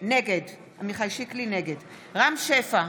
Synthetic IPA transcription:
neɡed | amiχajʃiklineɡed | ʁamʃefa

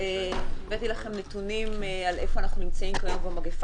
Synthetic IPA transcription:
evet̪ilaχe̞mnet̪unimalʔe̞foanaχnunimt͡saimkaobamaɡef

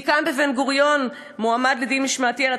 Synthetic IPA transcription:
kanbevenɡuʁjo̞n | muamad̪led̪inmiʃmaːtiala

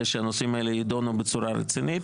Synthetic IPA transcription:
ʃeano̞simaelejid̪onubet͡suɾaɾḛt͡sinit̪

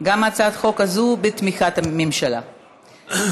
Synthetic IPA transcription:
ɡamat͡saad̪χo̞kazubet̪miχat̪amemʃala̰

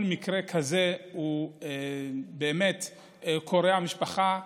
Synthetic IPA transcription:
lmikʁe̞kʰaze̞uebeːme̞t̪ | kʰo̞ɾeamiʃpaχa

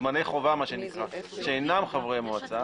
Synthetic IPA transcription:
manejχovamaʃe̞nikʁaʃeːnamχavʁejmoat͡sa

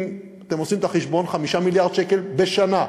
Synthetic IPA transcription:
m | at̪emosimet̪aχeʃbo̞nχamiʃamiljaʁd̪ʃekelbeʃana

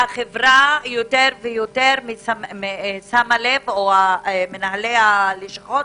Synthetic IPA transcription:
aχevʁajoteʁvejoteʁmiaesamalevoamenaɦalealiʃaχot

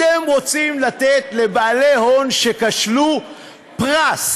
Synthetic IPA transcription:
emʁo̞t͡simlat̪et̪le̞baːle̞ɦo̞nʃe̞kaʃlu | pʁas

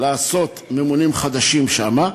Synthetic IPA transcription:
laːso̞t̪memunimχad̪aʃimʃama

